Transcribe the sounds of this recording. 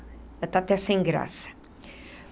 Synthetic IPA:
ɐt̪at̪ɛsẽj̃ɡɾa̰sɐ̥

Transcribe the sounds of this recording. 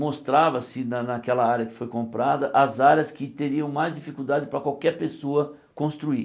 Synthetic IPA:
most̪ɾavɐsɪnɐnɐkɛlɐaɾʲjɐkɪ̥fojkõmpɾad̪ɐʔɐzaɾjɐskɪt̪eɾiɐ̃w̃majzd͡ʒifikuwd̪ad͡ʒɪpɾɐkwawkɛɾpesoɐ | kõst̪ɾui

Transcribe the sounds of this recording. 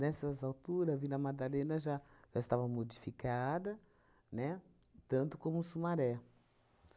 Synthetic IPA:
nɛsɐzawt̪uɾɐvilɐmad̪alẽnɐʒaʒ̥aɪst̪avɐmod͡ʒifikad̪ɐ | nɛ | t̪ɐ̃nt̪ʊkõmʊsumaɾɛ

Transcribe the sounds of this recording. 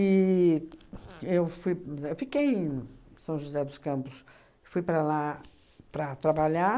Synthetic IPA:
i | ewfujewfikej̃sɐ̃w̃ʒuzɛd̪ʊskɐ̃mpʊs | fujpɾɐla | pɾɐt̪ɾabaʎa

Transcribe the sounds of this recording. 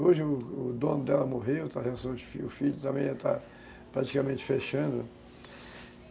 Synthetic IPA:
oʒɪʊʊd̪õnʊd̪ɛlɐmoɦewt̪aɦeasɐ̃w̃d͡ʒɪfiʊfiʎʊt̪ɐ̃mẽj̃ɛt̪a̰ | pɾat͡ʃi̥kamẽnt͡ʃɪ̥feʃɐ̃d̪ʊ

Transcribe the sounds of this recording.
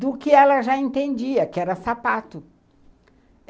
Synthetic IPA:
d̪ʊkɪɛlɐʒaẽnt̪ẽnd͡ʒiɐkɪɛɾɐsapat̪ʊ

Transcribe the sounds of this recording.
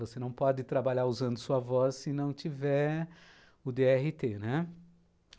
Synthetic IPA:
vosenɐ̃w̃pɔd͡ʒɪt̪ɾabaʎaɾuzɐ̃nd̪ʊsuɐvɔsːɪnɐ̃w̃t͡ʃivɛ | ʊd̪eɛɦɪt̪enɛ

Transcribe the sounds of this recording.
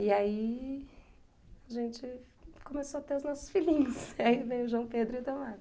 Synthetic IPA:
ɪai | aʒẽnt͡ʃɪ | kõmesoɐt̪eʊznɔsʊ̥sfilĩɲʊsaivẽj̃ʊʒwɐ̃w̃ped̪ɾʊɪt̪õmas

